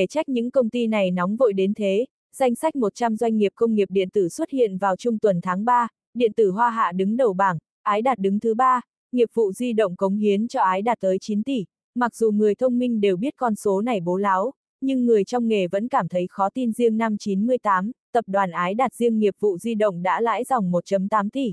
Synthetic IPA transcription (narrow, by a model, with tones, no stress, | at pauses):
e˧˩t͡ɕa˦˥k̟̚ɲɨ̰˧˥ŋkə˧wŋ͡mt̪i˧na˨˩jnɔ˨˦wŋ͡mvo̰˧˨jɗe˨˦nt̪ʰe˨˦ | z̥a˧jŋ̟sa˦˥jk̚mo˨˩t̚t͡ɕa˧mzwa˧jŋ̟ŋi˨˩əp̚kə˧wŋ͡mŋi˨˩əp̚ɗḭ˧˨ənt̪ɨ˧˩swə˦˥t̚hḭ˧˨ənvaː˨˩wt͡ɕʊ˧ŋ͡mt̪wə˨˩nt̪ʰaː˨˦ŋɓaː˧ | ɗḭ˧˨ənt̪ɨ˧˩ɦwaː˧ɦa̰ː˧˨ɗɨ˨˦ŋɗə˨˩wɓaː˧˩ŋ | ʔaː˨˦jɗaː˨˩t̚ɗɨ˨˦ŋt̪ʰɨ˨˦ɓaː˧ | ŋi˨˩əp̚vṵ˧˨zwi˧ɗə̰˧˨wŋ͡mkə˨˦wŋ͡mhi˨˦ənt͡ɕɔ˧ʔaː˨˦jɗaː˨˩t̚t̪əː˨˦jt͡ɕi˨˦nt̪i˧˩ | ma˨˩k̚z̥u˨˩ŋɨ˨˩əjt̪ʰə˧wŋ͡mmï˧ŋ̟ɗe˨˩wɓi˦˥ət̚kɔ˧nso˨˦na˨˩jɓo˨˦laː˨˦w | ɲɨ˧ŋːɨ˨˩əjt͡ɕɔ˧wŋ͡mŋe˨˩və̰˧˥nkaː˧˩mt̪ʰə˨˦jxɔ˨˦t̪i˧nzi˧əŋna˧mt͡ɕi˨˦nmɨ˧əjt̪aː˨˦mt̪ə˨˩p̚ɗwaː˨˩nʔaː˨˦jɗaː˨˩t̚zi˧əŋːi˨˩əp̚vṵ˧˨zi˧ɗə̰˧˨wŋ͡mɗa̰ː˧˥la̰ː˧˥jzɔ˨˩wŋ͡mmo˨˩t̚t͡ɕə˨˦mt̪aː˨˦mt̪i˧˩